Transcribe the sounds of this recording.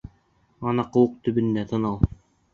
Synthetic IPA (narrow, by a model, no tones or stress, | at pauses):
ɑnɑqɤ̆wɤq̚t̪ɵ̆bɘ̆nd̪æt̪ɤ̆nɑlˠ